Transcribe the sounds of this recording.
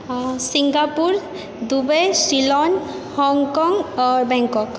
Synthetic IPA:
siŋɡapuɹ | d̪ubejsilɔn | hɔŋkɔŋaɹbɛŋkɔk

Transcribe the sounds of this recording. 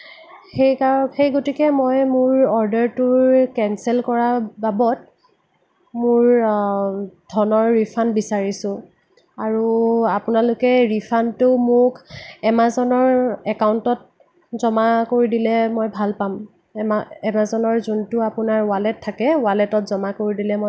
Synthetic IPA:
xejkaxejɡotikɛmojmʊɹɔɹdɛɹtʊɹkɛnsɛlkɔɹababɔt̚ | mʊɹ | dʱɔnɔɹːipʰanbisaɹisʊ̃ | aɹuapʊnalʊkɛɹipʰantʊmʊkɛmazɔnɔɹɛkawntɔt̚ | zɔmakoɹidilɛmojbʱalpam | ɛmaɛmazɔnɔɹzuntʊapʊnaɹwalɛtʰːakɛwalɛtɔtzɔmakoɹidilɛmo

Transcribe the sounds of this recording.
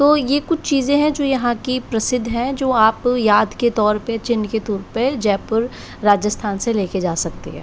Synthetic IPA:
t̪oːjekʊt͡ʃʰt͡ʃiːzẽɦɛ̃d͡ʒoːjɐɦãkipɾɐsɪd̪ʱːɦɛ̃d͡ʒoːaːpjaːd̪ket̪ɔːɾpet͡ʃɪnːket̪ɔːɾped͡ʒɛːpʊɾ | ɾaːd͡ʒəst̪ʰaːnseleːked͡ʒaːsɐk̚t̪ḛɦɛ̰̃ː

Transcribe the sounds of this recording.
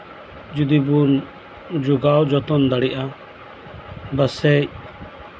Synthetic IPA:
d͡ʒud̪ibun | d͡ʒuɡawd͡ʒɔt̪ɔnd̪aɽiʔa | basɛj

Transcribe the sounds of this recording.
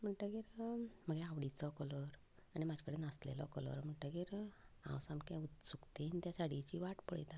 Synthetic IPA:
m̤əɳʈaɡiɾm̤əɡɛaʋɽit͡sɔkɔlɔɾ | aɽ̃imad͡ʑkəɽenaslḛlɔ̰kɔlɔ̰ɾm̤əɳʈaɡiɾã̰wsamkãut̪sukt̪ent̪jasaɽit͡ɕiʋaʈpəɭjt̪a

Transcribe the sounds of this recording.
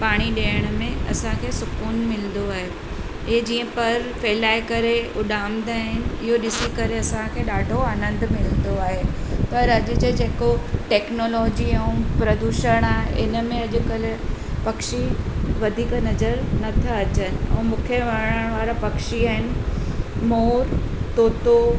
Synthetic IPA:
paːɽ̃iɗeːəɽ̃̆mẽɐ̰sãkʰeːsʊkuːnmɪln̆d̪oaːɦe | ɪd͡ʑiːə̃pɐɾfeːlaːɪkɐɾeʊɗaːmd̪aːɦɪnɪ̆ɪɦoɗɪsikɐɾeɐsãkʰeɗaːɖʱoaːnə̃nd̪ʱmɪlənd̪oaːɦepɐɾɐʄʊ̆d͡ʑed͡ʑeːkoʈɛːknoːlɔːd͡ʑiɐũpɾɐd̪uːʃəɽ̃aːɦeʔɪnəmẽɐʄʊ̆kəlpɐkʃiʋɐd̪ʱiːknɐzəɾnɐt̪ʰaɐt͡ɕənɪ̆ɛ̰̃ːmũːkʰəʋəɾɽəɽ̃ʋaːɾapɐkʃiaːɦɪnɪ̆moːɾt̪oːt̪o

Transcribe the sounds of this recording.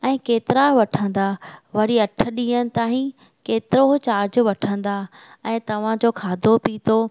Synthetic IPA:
ɛ̃ːkeːt̪ɪɾaʋɐʈʰə̃nd̪aʋɐɾiɐʈʰə̆ɗĩːənɪ̆t̪aːĩ | keːt̪ɪɾoɦt͡ɕaːɾd͡ʑʋɐʈʰə̃n̆d̪a | ɛ̃ːt̪ɐʋ̤ãd͡ʑoːkʰaːd̪ʱopiːt̪oː

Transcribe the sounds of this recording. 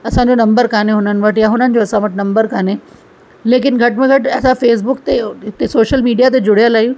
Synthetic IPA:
ɐsãːɲd͡ʑonɐ̃mbəɾkaːneɦʊnənɪ̆ʋəʈjaɦʊnənɪ̆d͡ʑoɐsãʋəʈnɐ̃mbəɾkaːne | leːk̬ɪnɡʱɐʈmẽɡʱɐʈɛːsãfeːs̬bʊkt̪eɦɪt̪esoːʃəlmiːɖijat̪̬ed͡ʑʊɽijəlaːijũ

